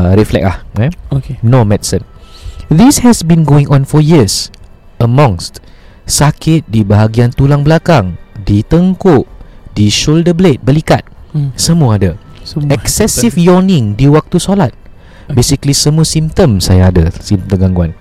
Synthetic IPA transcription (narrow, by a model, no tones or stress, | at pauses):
ɾɛflɛ̰k̚lahaokenomɛdisə̃nd̪ishɛsbĩnɡoɪ̃ŋʔɔ̃nfɔjiəs | əmɔ̃ŋst | sakʰɪt̪̚dibaɦaɡiant̪ulaŋblakaŋdit̪əŋkoʔdiʃoldəblet̪̚bəlikat̪̚səmuəada | ɛksɛsifjɔnɪ̃ŋdewək̚t̪usolat̪̚ | besiklisəmuəsĩmt̪ə̃msajaadasimt̪t̪əɡaŋɡuan